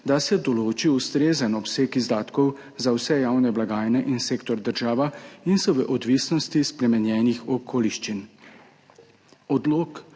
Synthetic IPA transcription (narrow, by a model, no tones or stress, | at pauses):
d̪asɛd̪ɔloːt͡ʃiust̪ɾeːzənɔpseːkizd̪aːt̪kɔw | zawsɛjaːwnɛblaɡaːjnɛʔinseːkt̪ɔɾd̪əɾʒaːʋainsɔʋəʔɔd̪ʋiːsnɔst̪ispɾɛmɛnjɛːnixɔkʰoːliʃt͡ʃin | ɔd̪loːk